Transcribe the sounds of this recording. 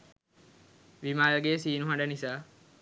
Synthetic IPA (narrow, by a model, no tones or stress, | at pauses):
ʋimaːlɡesiːnuɦaɳɖənisaː